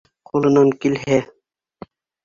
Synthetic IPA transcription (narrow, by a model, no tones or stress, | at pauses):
qʰulˠɤ̆nɑŋkilɦæ